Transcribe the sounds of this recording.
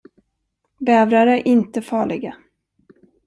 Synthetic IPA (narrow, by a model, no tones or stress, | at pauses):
bɛːvɾaɾəʔɪnt̪əfɑːɭɪɡa